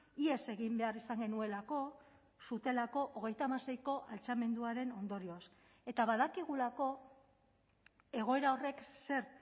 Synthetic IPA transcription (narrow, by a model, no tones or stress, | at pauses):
ie̞se̞ɣimbe̞arisaŋɡe̞nue̞lako̞ | sut̪e̞lako̞ʔoɣ̞e̞jt̪aːmase̞jko̞ʔalt͡same̞nd̪uaɾe̞no̞nd̪o̞ɾio̞as | e̞t̪aβaðakiɣ̞ulako̞ | e̞ɣ̞o̞e̞ɾao̞re̞kse̞ɾ